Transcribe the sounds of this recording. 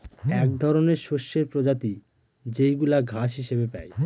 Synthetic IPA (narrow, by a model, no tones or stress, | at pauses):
ɛk̚d̪ʱɔɾoneɾʃoʃːeɾpɾod͡ʑat̪i | d͡ʑejɡulaɡʱaʃɦiʃebepɛ̰j